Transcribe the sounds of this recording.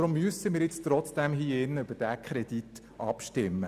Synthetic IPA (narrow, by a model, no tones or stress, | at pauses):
ɾʊmːyəsəmɪːɾjɪt͡st̪ɾɔt͡sd̥ɛmɦiːɪnːəyb̥əd̥ækʰχɾɛd̥it | ʔɑ̰pʃtɪmːə